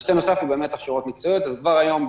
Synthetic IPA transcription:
seno̞safhube̞ːme̞t̪aχʃoʁot̪mikt͡sojo̞t̪azkvaʁajo̞m

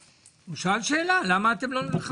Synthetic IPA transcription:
miʃalʃeːlalamaːt̪emlonilχa

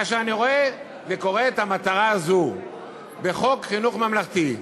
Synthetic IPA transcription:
aʃeaniʁoe | zeko̞ʁeːt̪amat̪aʁaːzu | be̞χo̞kχinuχmamlaχt̪i

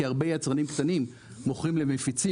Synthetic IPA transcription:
iaʁbejat͡sʁanimkt̪animː | oχʁimle̞mefit͡si

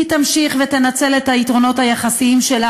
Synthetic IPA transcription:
tamʃiχve̞t̪enat͡se̞let̪haitʁo̞no̞thajaχasiimʃe̞la

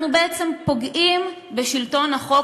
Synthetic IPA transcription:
nubeʔet͡se̞mpo̞ɡʔim | beʃilto̞nhaχo̞

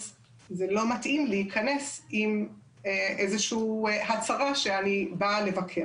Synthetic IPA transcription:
z | zelo̞matʔimlehikʰɐne̞sim | eʔezeʃuːhat͡saʁaʃeanibale̞vakʰe

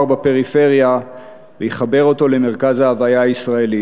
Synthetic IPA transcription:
ʁbape̞ʁife̞ʁja | vejeχabe̞ʁo̞to̞le̞me̞ʁkazhaːvajaisʁae̞li

